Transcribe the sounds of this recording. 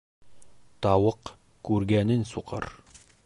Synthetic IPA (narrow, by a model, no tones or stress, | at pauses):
t̪ɑwɤq | kʉɾɡænɘnsuqʰɤ̰ɾ